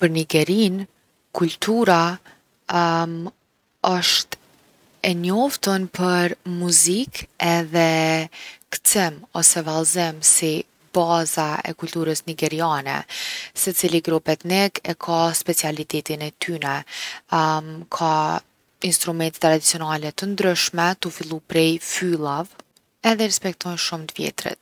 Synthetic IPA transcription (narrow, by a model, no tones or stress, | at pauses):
pəɾniɡɛɾin | kult̪uɾa | ɔʃt̪ | ɛɲɔft̪ɔnpʰəɾmuzikɛðɛ | kt͡sɛmɔsɛvalzɪmsi | bazaɛ̰kult̪uɾəsniɡɛɾianɛ̰sɛt͡siliɡɾupɛt̪nɛɡɛkʰaspɛt͡sialit̪ɛt̪inɛt̪ʰynɛ | kʰa | inst̪ɾumɛnt̪ɛ̥t̪ːɾad̪it͡sijɔnalɛt̪ənd̪ɾyʃmɛt̪ufilˠupɾɛjfylˠav | ɛðɛɾspɛk̚t̪ɔnʃumt̪əvjɛ̰t̪ɾɛ̰t̪̚